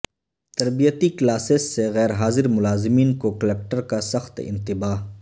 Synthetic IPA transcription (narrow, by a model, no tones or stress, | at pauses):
t̪ɐɾbijət̪iklaːsesːeɣɛːɾɦaːzɪɾmʊlaːzɪmiːnkokɐleːk̚ʈəɾkasɐxt̪ɪ̰̃nt̪ɪbaːɦ